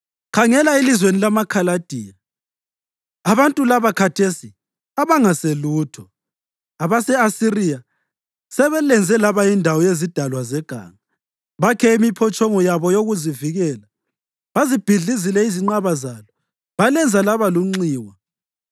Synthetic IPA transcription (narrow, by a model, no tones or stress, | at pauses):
kʰaŋɛlailizwenilamakʰalad̥ʱiːa | aβantʼulaβakʰatʰesi | aβaŋaseluːtʰɔ | aβasɛasirija | sɛβɛlɛnd͡zʱɛlaβaindʱawɔjezid̥ʱalwazɛɡ̥ʱa̰ːŋa | βakʰɛimipʰɔt͡ʃʼɔŋɔjaβɔjoɣuziviɣɛːla | βazib̥ʱiɮizilɛiziŋ͡ǃaβazalɔ | βalɛnd͡zʱalaβaluŋ͡ǀiːwa